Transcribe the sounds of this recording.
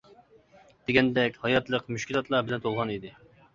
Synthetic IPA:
d̪̥eɡʲɛnd̪ɛkʲhɑjɑt̪lˠəqmyʃkʲilˠɑt̪lˠɑɾbɪlɛnt̪ʰolˠʁɑnid̪ɪ

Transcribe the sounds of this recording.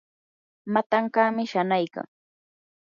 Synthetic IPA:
mat̪aɴkaːmɪʃanajka̰ŋ

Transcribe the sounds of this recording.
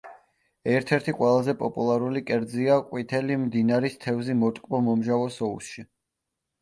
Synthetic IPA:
ɛɾt̪ʰɛɾt̪ʰiqʼwɛlˠazɛpʼɔpʼulˠaɾulikʼɛɾd̪ziakʼwit̪ʰɛlimd̪inaɾist̪ʰɛvzimɔt̪ʼkʼbɔmɔmʒavɔsɔusʃi

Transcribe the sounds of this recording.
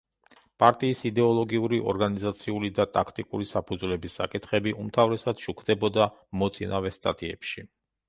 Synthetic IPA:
pʼaɾt̪ʼiːsid̪ɛɔlˠɔɡiuɾiʔɔ̰ɾɡanizat̪sʰiulid̪at̪ʼakʰt̪ʼikʼuɾisapʰud̪zvlɛbisːakʼit̪ʰχɛbiʔumt̪ʰavɾɛsad̪ʃukʰd̪ɛbɔd̪amɔt̪sʼinavɛst̪ʼa̰t̪ʼiɛpʃi

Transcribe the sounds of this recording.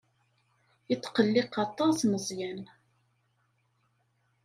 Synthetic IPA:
ət͡sːqəlːɪqɑt̪ˤɑsnəzˤjæn

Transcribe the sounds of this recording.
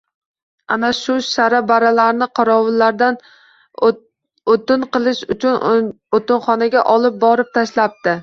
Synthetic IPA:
a̰naʃʊʃaɾabaɾalaɾnɪqʰɒɾɒwɪlːaɾd̪an | ot̪ɪnqɨlˠɪʃʊt͡ʃʊn | ot̪ɪnχɒnaɡʲaʔɒlˠɪp̚bɒɾɪp̚t̪ʰaʃlap̚t̪ɪ

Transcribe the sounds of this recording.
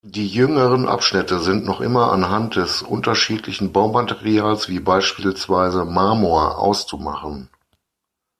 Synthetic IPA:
d̥iːjʏŋəʁənʔa̰pʃnɪtəzɪntnɔχʔɪ̰mɐʔa̰nɦant̚d̥ɛsʔʊ̰ntɐʃiːtʰlɪçn̩baʊmateʁiaːlsv̥iːbaɪʃpiːlsv̥aɪzəmaːmoɐʔa̰ʊst͡suma̰χən

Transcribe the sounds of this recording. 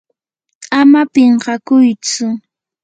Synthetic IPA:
amapeɴɢɑkʊjt͡sʊ

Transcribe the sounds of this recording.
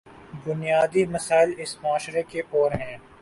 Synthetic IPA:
bʊnijaːd̪imɐsaːɪlɪsmʊaːʃɾekeʔɔːɾɦɛ̃ː

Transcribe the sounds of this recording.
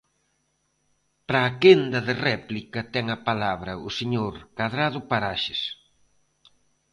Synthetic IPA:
pɾaːkend̪ɐðɪrɛplikɐt̪ɛŋɐpalaβɾɐʊseɲoɾkaðɾaðʊpaɾaʃɪs

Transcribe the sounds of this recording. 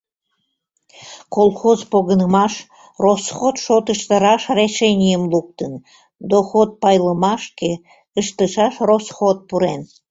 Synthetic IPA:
kolˠxozpoɣənəmɑʃ | rosxot̪ʃot̪əʃt̪əɾɑʃreʃenʲijəmluk̚t̪ən | d̪oxot̪̚pɑjləmɑʃke | əʃt̪əʃɑʃrosxot̪̚puɾen

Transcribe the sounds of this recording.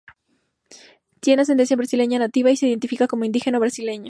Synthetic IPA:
t̪jenas̬ent̪ensjambɾasile̞ɲanat̪iβaiseiðe̞nt̪ifikako̞mo̞ind̪ixe̞noβɾasile̞ɲo

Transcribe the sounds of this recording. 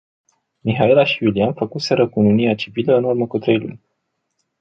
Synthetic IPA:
miɦaelaʃiulianfəkuse̞ɾəkununiat͡ʃiviləɨnurməkut̪ɾe̞jlṵnʲ

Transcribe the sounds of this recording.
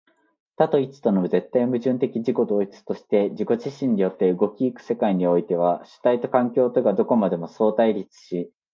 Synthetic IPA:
t̪at̪o̞it͡sɨ̥t̪o̞noɯze̞t̪ːaimɯ̟ʑɨ̃nt̪e̞kʲiʑiko̞d̪o̞ːit͡sɨ̥t̪o̞ɕi̥t̪e̞d͡ʑiko̞ʑiɕĩɲ̟ːijo̞t̪ːe̞ɯ̟ɡo̞kʲiːkɯ̟̥se̞kaiɲ̟io̞it̪e̞β̞aɕɨ̥t̪ait̪o̞kãŋkʲo̞ːt̪o̞ɡad̪o̞ko̞mad̪e̞mo̞so̞ːt̪aiɾʲit͡sɨ̥ɕi

